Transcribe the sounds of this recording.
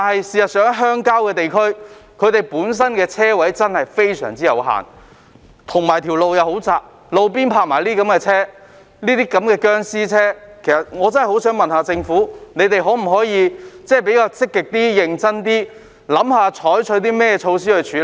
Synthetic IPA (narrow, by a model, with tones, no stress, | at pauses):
t̪a˨nhɐ˨jsiː˨˩jɐ˨t̚sœː˨˥ŋɦœː˥ŋkaː˥wkɛː˧t̪e˨jkʰɵ˥ɥkʰɵ˨˧t̪e˨jpuː˨˥ns̬ɐ˥nkɛː˧t͡sʰɛː˥wɐ˨˥jt͡sɐ˥nhɐ˨jfe˥jsœ̰ː˨˩ŋt͡siː˥jɐ̰˨˧wɦa̰ː˨˩n | t̪ʰʊ˨˩ŋmaː˨˩jt̪ʰiː˨˩wlo˨wjɐ˨˧who˨˥wt͡saː˨˧k̚ | lo˨˧wp̬iː˥npʰaː˧k̚ma̰ː˨˩jliː˥kɐ˨˥mkɛː˧t͡sʰɛː˥ | liː˥t̪iː˥kɐ˨˥mkɛː˧kœː˥ŋsiː˥t͡sʰɛː˥kʰe˨˩sɐ˨t̚ŋɔː˨˧t͡sɐ˥nhɐ˨˩ho˨˥wsœː˨˥ŋmɐ˨nhaː˧t͡sɪ˧ŋfuː˨˥ne˨˧jt̪e˨jɦo˨˥m̩˨˩ɦɔː˨˥jiː˨˧t͡sɛː˥˩pe˨˥jkaː˧wt͡sɪ˥kːɪ˨k̚t̪iː˥jɪ˨˧ŋt͡sɐ˥nt̪iː˥ | lɐ˨˥mhaː˧t͡ʃʰɔː˨˥jt͡ʃʰɵ˨˧˥ɥt̪̬iː˥mɛː˥jɛː˧t͡ʃʰo˧ws̬iː˥hɵ˧ɥt͡ʃʰyː˨˥